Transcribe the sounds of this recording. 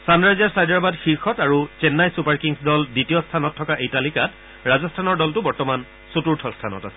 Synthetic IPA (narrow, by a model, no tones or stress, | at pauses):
sanɹajzaɹsajdaɹbadxiɹxɔtaɹut͡ʃɛnːajsupaɹkiŋsdɔlditijɔstʰanɔtʰːɔkaʔejtalikat | ɹazɔstʰanɔɹdɔltʊbɔɹtɔman | sutuɹtʰɔstʰanɔ̰ta̰sɛ̥